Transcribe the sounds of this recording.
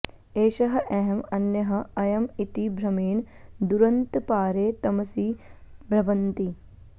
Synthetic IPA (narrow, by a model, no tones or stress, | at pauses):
eːʃɐɦɐʔɛɦɐmɐnjɐɦɐ̆ɐjɐmit̪ibʱɾɐmeːɳd̪uɾɐnt̪paːɾeːt̪ɐmɐsiːbɾɐʋɐnt̪i